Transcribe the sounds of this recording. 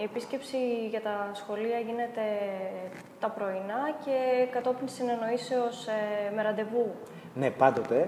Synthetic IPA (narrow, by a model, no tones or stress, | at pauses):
ie̞pisce̞psiʝɐt̪ɐsxo̞liɐʝine̞t̪e̞ | t̪ɐpɾo̞inɐce̞kɐt̪o̞pinsineno̞iseo̞sme̞ɾɐnd̪e̞vu | nepɐnd̪ot̪e